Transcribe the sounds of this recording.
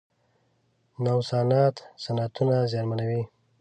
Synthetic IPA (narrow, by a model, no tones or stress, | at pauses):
nawsɑnɑt̪sanat̪unazjɑnmanawi